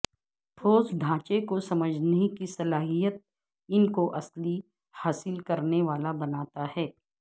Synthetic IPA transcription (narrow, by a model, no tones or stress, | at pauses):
ʈʰoːsd̪ʱãːt͡ʃekosɐməd͡ʒʱneikisɐlaːɦijət̪̚ | ɪnkoʔɐsli | haːsɪlkɐɾneʋaːlabɐnaːt̪aɦɛː